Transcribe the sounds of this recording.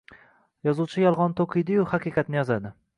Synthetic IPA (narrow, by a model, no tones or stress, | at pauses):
jɒzuwt͡ʃʰɪjɒlˠʁɒnt̪ʰoqʰɨjd̪ɪjʊhɑqʰɨjqɑt̪nɪjɒzad̪ɪ